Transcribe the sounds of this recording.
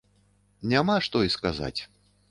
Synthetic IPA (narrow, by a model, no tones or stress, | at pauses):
nʲamaʂt̪ɔiskaza̰t͡sʲ